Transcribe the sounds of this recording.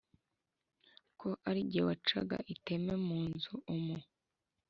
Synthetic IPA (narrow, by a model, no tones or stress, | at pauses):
kʰo̞ʔaɾiɟewat͡ʃa̰ɡa̰ʔite̞memuːnzuʔumu